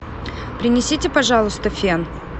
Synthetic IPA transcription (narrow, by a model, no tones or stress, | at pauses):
pɾʲɪnʲɪsʲitʲɪpɐʐɑlˠʊst̪əfʲen